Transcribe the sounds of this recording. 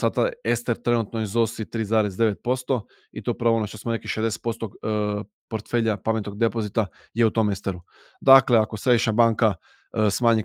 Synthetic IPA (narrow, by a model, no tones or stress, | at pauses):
sad̪aest̪e̞ɾt̪ɾe̞nut̪noizosit̪ɾiːzaːɾezd̪e̞ʋe̞t̪̚po̞st̪o̞ | it̪oupɾaʋoonot͡ʃosmonekiʃed̪ese̥t̪̚po̞st̪o | po̞ɾt̪fe̞ʎapamet̪oɡ̚d̪e̞po̞zit̪a | jeut̪o̞me̞st̪eɾu | d̪akle̞ako̞sɾed̪iʃɲabaːŋka | smaːɲi